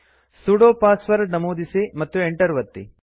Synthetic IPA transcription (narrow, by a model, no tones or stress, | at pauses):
suɽoːpaːsʋɐɾnɐmoːd̪isemɐt̪ːueɳʈɐɾʋɐt̪ːḭ